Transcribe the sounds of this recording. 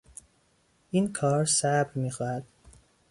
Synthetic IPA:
ʔiːnkʰɒːɾsæbɾmiːxɒːhæd̪̥

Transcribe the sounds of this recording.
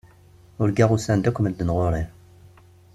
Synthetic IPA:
ʊɾɡaʁusænd̪ækʷːəməld̪ənʁʊɾˤi

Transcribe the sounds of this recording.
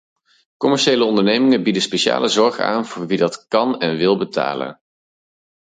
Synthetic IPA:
kɔmɛɹʃejləɔndəɹnejmɪŋəbidəspeʃa̰ːlʔəzɔɹχa̰ːnv̥ʊːɹʋidɑtkɑnɛnʋɪlˠbəta̰ːlə̰n

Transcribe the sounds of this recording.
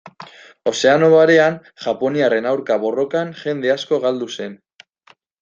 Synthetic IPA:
o̞se̞ano̞βaɾe̞an | ʝapo̞niare̞nawɾkaβo̞ro̞kanʝe̞nd̪e̞asko̞ɣald̪use̞n

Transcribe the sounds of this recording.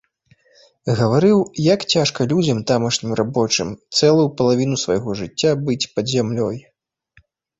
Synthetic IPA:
ɣɐvaɾɨwjakt͡sʲaʂkɐlʲud͡zʲɐmt̪amɐʂnʲimrʔabɔt͡ʂɨmt̪sɛlˠujupɐlˠavʲinusvɐ̰jɣɔʐɨt͡sʲːabɨt͡sʲpɐd̪zʲamlʲɔj

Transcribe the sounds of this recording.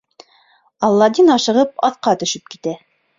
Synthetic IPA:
ɑlˠːɑd̪inɑʃɤ̆ʁɤp̚ɑθqɑt̪ɵ̆ʃɘp̚ki̥t̪æ

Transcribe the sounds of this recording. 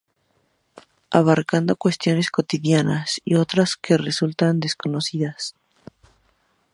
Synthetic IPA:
aβaɾkand̪o̞kwe̞st̪jo̞ne̞sko̞t̪iðjanasio̞t̪ɾaskʰe̞re̞sult̪and̪e̞sko̞no̞siðas

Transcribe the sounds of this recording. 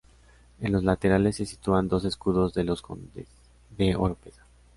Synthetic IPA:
e̞nlo̞zlat̪e̞ɾale̞sːe̞si̥t̪uand̪o̞se̞skuðo̞zðeloskond̪e | ðeoɾpeða

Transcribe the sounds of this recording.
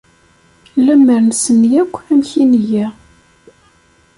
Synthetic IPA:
læmːəɾnsənjækʷːæmçinjæ

